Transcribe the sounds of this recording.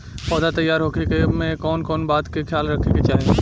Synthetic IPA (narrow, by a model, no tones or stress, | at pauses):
pɔːd̪at̪əjaːɾɦoːkʰekemẽkɔːnkɔːnbaːt̪kekʰjaːlɾɐkʰeket͡ʃaːɦe